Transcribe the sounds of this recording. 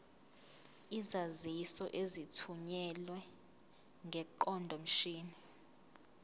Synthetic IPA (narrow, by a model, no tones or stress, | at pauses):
izazisɔʔezitʰuɲɛlwɛ | ŋɡʱɛǃɔndʱɔm̩ʃiːni